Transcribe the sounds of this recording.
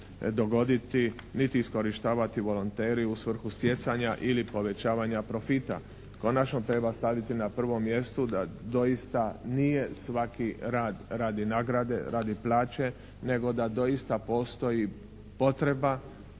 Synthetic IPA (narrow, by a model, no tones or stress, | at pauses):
d̪o̞ɡo̞d̪it̪i | nit̪iːsko̞ɾiʃt̪aːʋat̪iʋo̞lo̞nt̪eːɾiusʋr̩xust̪jet̪saɲaʔilipo̞ʋe̞t͡ɕaːʋaɲapɾo̞fit̪a̰ | ko̞nat͡ʃno̞t̪ɾe̞bast̪aʋit̪inapr̩ʋo̞mːje̞st̪ud̪ad̪o̞jist̪anije̞sʋakiɾaːd̪ɾaːd̪inaːɡɾad̪e̞̰ɾaːd̪iplaːt͡ɕe̞ | ne̞ɡo̞d̪ad̪o̞jist̪apo̞ːst̪o̞ji | po̞t̪ɾe̞ba